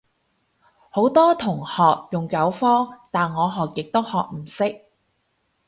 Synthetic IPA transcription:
ho˨˥wt̪ɔː˥t̪ʰʊ˨˩ŋhɔː˨k̚jʊ˨˩ŋkɐ˨˥wfɔː˥t̪aː˨nŋɔː˨˧ɦɔː˨kːɪ˨k̚t̪o˥whɔː˨k̚m̩˨˩sɪ˥k̚

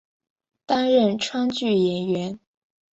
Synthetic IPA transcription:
t̪a˥nɻə˥˩nʈ͡ʂʰwa˥nt͡ɕy˥˩jɛ˧˥nɥɛ˧˥n

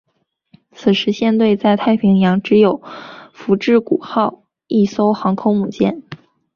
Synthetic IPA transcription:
t͡sʰɹ̩˨˩ʂɻ̩˧˥ɕjɛ˥˧nt̪we˥˧ɪt͡sa˥˧ɪt̪ʰa˥˩ɪpʰi˧˥ŋjɑ˧˥ŋʈ͡ʂɻ̩˧˥jo˨˩ʊfu˧˥ʈ͡ʂɻ̩˥˩kṵ˨˩xɑ˥˧ʊ | i˥˩so˥ʊxɑ˧˥ŋkʰʊ˥ŋmu˨˩t͡ɕjɛ̰˥˩n

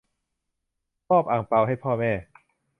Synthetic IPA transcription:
pɔː˥˩p̚ʔaː˨˩ŋpa˧wɦa˥˩jpʰɔː˥˩mɛː˥˩

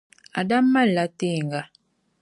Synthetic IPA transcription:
a̰˨da˦mːa˦˨lːa˦te˦˨ŋɡa˨

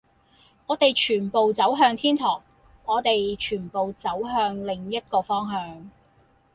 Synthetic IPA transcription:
ŋɔː˨˧t̪e˨jt͡ʃʰyː˨˩npo˨wt͡sɐ˨˥wɦœː˧ŋt̪ʰiː˥nt̪ʰɔː˨˩k̚ | ɔː˨˧t̪e˨jt͡ʃʰyː˨˩npo˨wt͡sɐ˨˥wɦœː˧ŋlɪ˨ŋjɐ˥t̚kɔː˧fɔː˥ŋɦœː˧ŋ

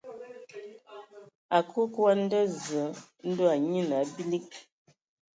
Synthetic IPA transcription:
a˨ku˦kwa˦n̩˦də˦zə˨˦n̩˦do˦a˨ɲi˦na˨˦bi˦li˦k̚

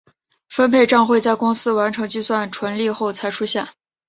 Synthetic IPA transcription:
fə˥npʰe˥˧ɪʈ͡ʂɑ˥˧ŋxwe˥˧ɪt͡sa˥˩ɪkʊ˥ŋsɹ̩˥wa˧˥nʈ͡ʂʰɤ˧˥ŋt͡ɕi˥˧swa˥˩nʈ͡ʂʰwə˧˥nli˥˧xo˥˩ʊt͡sʰa˧˥ɪʈ͡ʂʰu˥ɕja˥˩

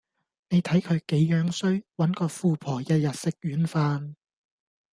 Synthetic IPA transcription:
ne˨˧jt̪ʰɐ˨˥jkʰɵ˨˧ɥke˨˥jːœː˨˥ŋsɵ˥ɥwɐ˨˥nkɔː˧fuː˨˧pʰɔː˨˩jɐ˧jɐ˨t̚sɪ˥k̚jyː˨˥nfaː˧n

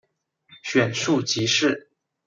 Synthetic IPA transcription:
ɕɥɛ˨˩nʂu˥˩t͡ɕi˧˥ʂɻ̩˥˩

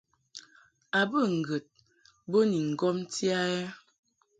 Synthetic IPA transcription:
a˨bə˦˨ŋ̩˨ɡə˨t̚ | bo˦ni˨ŋ̩˨ɡɔ˦m˦ti˦a˦ɛ˦

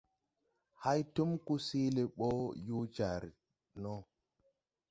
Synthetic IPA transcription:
ha˦jtu˦mku˦si˦le˨ɓo˦ju˦t͡ʃa˨ɾ | no˦

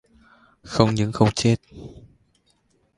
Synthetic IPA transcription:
xə˧wŋ͡mɲɨ̰˧˥ŋxə˧wŋ͡mt͡ɕe˦˥t̚

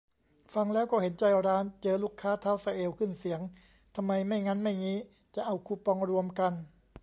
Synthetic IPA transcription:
fa˧ŋlɛː˦˥wkɔː˥˩he˩˦nt͡ɕa˧jɾaː˦˥nt͡ɕɤː˧luː˥˩kʰːaː˦˥t̪ʰa˦˥˩wsa˧ʔeː˧wkʰɯ˥˩nsi˩˦əŋ | t̪ʰa˧mːa˧jma˥˩jŋa˦˥nma˥˩jŋiː˦˥ | t͡ɕa˨˧˩ʔa˧wkʰuː˧˩pɔ˧ŋɾu˧əmka˧n

